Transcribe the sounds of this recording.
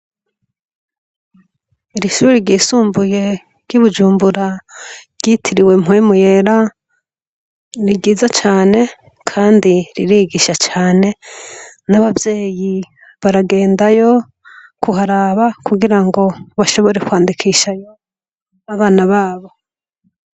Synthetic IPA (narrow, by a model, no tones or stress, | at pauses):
iɾiʃuuɾiɾɟiːsuːmbuje̞ | ɾɟuβud͡ʒuːmbuɾaɾɟ̥itʰiɾiwe̞m̥uimujeɾa | ɾiɡiːzat͡ʃaːne̞ | kʰaːndiɾiɾiːɡiʃat͡ʃaːne̞ | naβavje̞ːji | βaɾaɡe̞ːndajo̞ | kʰuɦaɾaβakuɡiɾaŋɡo̞βaʃo̞βo̞ɾekwaːndikʰiʃajo̞ | aβaːnaβaːβo